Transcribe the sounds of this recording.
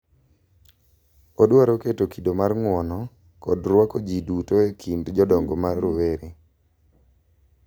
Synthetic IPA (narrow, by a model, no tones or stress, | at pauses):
odwaɾoketokidomarŋwɔnɔ | kɔdrwakod͡ʒidutoekʰindd͡ʒɔdɔŋɡomaɾoweɾi